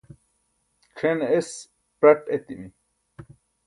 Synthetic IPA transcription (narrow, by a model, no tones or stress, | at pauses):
kʰenes | pɐʈet̪imi